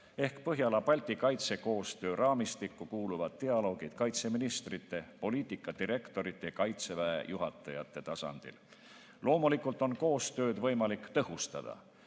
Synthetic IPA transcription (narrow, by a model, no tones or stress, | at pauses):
e̞hkpɤɦjɑlɑbɑlʲt̪ikɑjt̪se̞ko̞ːst̪ø̞ːɾʔɑːmist̪ikːukuːluvɑd̪̥̚t̪eɑlo̞ːɡ̥id̪̥kɑjt̪se̞minist̪rit̪ːˑe̞po̞liːt̪ːˑikːˑɑd̪̥iɾe̞kt̪o̞ɾit̪ːˑe̞kɑjt̪se̞væḛjuɦɑt̪ˑːɑjɑ̰t̪ˑːe̞t̪ɑsɑ̰nd̪̥ḭl | lo̞ːmulikːˑult̪ˑo̞nko̞ːst̪ø̞ːd̪̥vɤ̞jmɑlikːt̪ɤɦust̪ɑd̪̥ɑ̰